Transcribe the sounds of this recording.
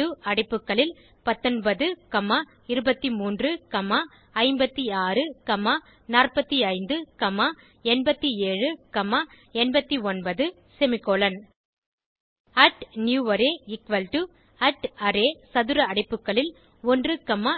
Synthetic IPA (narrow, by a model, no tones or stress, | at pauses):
ɯɐɽɪpːɯkːɐɭɪl | pɐt̪ːɔnbɐðɯkɐmaː | ɪɾɯbɐt̪ːimuːndrɯkɐmaː | ɐɪmbɐt̪ːiaːrɯkɐmaː | naːrpɐt̪ːiɐɪnd̪ɯkɐmːaː | ɛnbɐt̪ːieːɻɯkɐmaː | ɛnbɐt̪ːiɔnbɐðɯ | sɛmɪkːoːlɐn | ɐʈnjuːʋɐɾeːɪkʋɐlʈɯ | ɐʈɐɾeːsɐðɯɾɐɐɽɪpːɯkːɐɭɪl | ɔndrɯkɐmːaː